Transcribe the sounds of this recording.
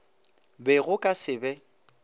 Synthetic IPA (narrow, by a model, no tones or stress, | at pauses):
bɛɣʊkʼasɪbɛ